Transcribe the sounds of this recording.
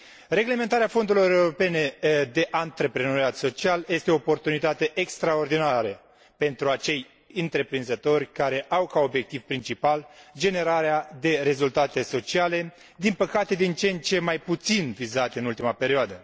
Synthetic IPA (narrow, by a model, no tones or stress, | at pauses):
re̞ɡle̞me̞nt̪aɾeafo̞nd̪uɾilo̞ɾe̞uɾo̞pe̞ne̞d̪e̞ʔant̪ɾepɾeno̞ɾiat̪so̞t͡ʃialje̞st̪eo̞ːpo̞rt̪unit̪at̪e̞ʔekst̪ɾao̞rd̪inaɾə | pe̞nt̪ɾuat͡ʃe̞j | ɨnt̪ɾe̞pɾinzət̪o̞rʲkaɾe̞ʔawkao̞bje̞k̚t̪ivpɾint͡ʃipald͡ʒe̞ne̞ɾaɾead̪e̞ɾe̞zult̪at̪e̞so̞t͡ʃiale̞ | d̪inpəkat̪e̞d̪int͡ʃe̞nt͡ʃe̞majput̪sinvizat̪ʲɨnult̪imape̞ɾioad̪ə